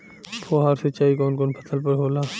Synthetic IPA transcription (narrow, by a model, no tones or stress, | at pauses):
pʰoːɦaːɾsət͡ʃaːikɔːnkɔːnpʰət̪ʰəlpəɾɦoːlaː